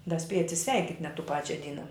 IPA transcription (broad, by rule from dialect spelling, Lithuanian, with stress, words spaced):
dɐ ˈsʲpʲiɛjɛ ɐtʲsʲɪˈsʲʋʲɛɪkʲɪtʲ nʲɛt tuː ˈpɑːt͡ʃʲɛ ˈdʲiːnɐ